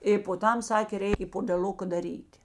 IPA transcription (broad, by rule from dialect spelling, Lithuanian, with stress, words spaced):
ɪ poː ˈtɐm ˈsɑːkʲeː ˈrʲɛɪk ɪ poːdʲɛˈlˠʊkɐ dɐˈrʲiːtʲ